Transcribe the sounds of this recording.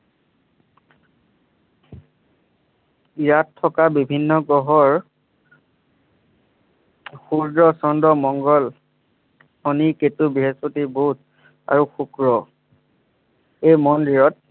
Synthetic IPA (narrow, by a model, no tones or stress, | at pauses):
iɹatʰːɔkabibʱinːɔɡɔɦɔɹ | xuɹdɹɔsɔndɔmɔŋɡɔl | oniketubiɦespotibout̚ | a̰ɹuxukɹɔ | ejmɔndiɹɔt̚